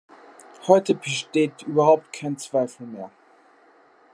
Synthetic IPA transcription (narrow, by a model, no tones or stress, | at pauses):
hɔɪtʰəbəʃteːtyːbɐhaʊp̚t̚kʰaɪnt͡sv̥aɪfəl̩ˠmeːɐ